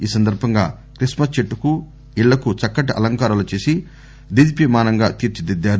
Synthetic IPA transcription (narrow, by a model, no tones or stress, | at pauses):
iːsɐnd̪ɐɾbʱɐŋɡaː | kɾismɐst͡ʃeʈːuku | iɭːɐkut͡ʃɐkːɐʈɐʔɐ̰lɐŋkaːɾɐlut͡ʃeːsi | d̪id̪ipimaːnɐŋɡaːt̪iːɾt͡ʃid̪id̪ːaːɾu